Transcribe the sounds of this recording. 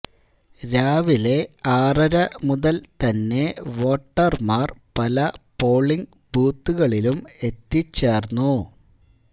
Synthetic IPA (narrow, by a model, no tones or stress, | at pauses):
ɾaːʋile̞aːrɐɾɐmuðɐlt̪ɐnːe̞ʋo̞ːʈːɐrmaːrpɐlɐpo̞ːɭːiŋɡ | buːt̪ːuɣɐɭilume̞t̪ːit͡ɕːe̞ːrnːu